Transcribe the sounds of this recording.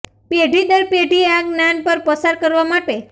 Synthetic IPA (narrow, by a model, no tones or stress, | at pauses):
peɖʱid̪əɾpeɖʱiaɡnanpəɾpəsaɾkəɾʋamaʈe